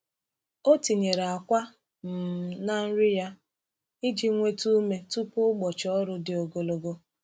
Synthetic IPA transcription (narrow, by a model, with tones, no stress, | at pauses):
o˦ti˨ɲe˨ɾe˨a˨kʷa˦ | m̩˨na˦n̩˦ɾɪ˦ja˦ | ɪ˦d͡ʒi˦ŋʷe˦tu˦me˦tu˦pʊ˦ɡ͡bɔ˨t͡ʃɔ˦ɾʊ˦dɪ˨o˨ɡo˨lo˨ɡo˦